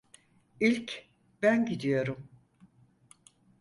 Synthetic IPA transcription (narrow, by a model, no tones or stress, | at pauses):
ilʲc | bænɟid̪ijo̞ɾum